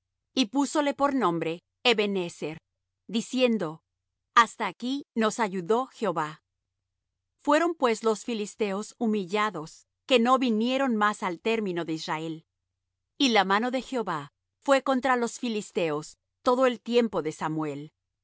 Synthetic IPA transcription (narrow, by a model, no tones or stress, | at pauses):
ipusole̞po̞ɾnõ̞mbɾe̞ː | βeneseɾ | d̪isje̞nd̪o̞ | ast̪aːkino̞saʝuðo̞xeo̞βa | fwe̞ɾo̞mpwe̞slo̞sfilist̪e̞o̞sumiʝaðo̞s | ke̞no̞βinje̞ɾo̞nmasalt̪e̞ɾmĩno̞ðeisrae̞l | ilamano̞ðe̞xeo̞βa | fwe̞ko̞nt̪ɾalo̞sfilist̪e̞os | t̪o̞ðo̞e̞lt̪je̞mpo̞ðe̞samwe̞l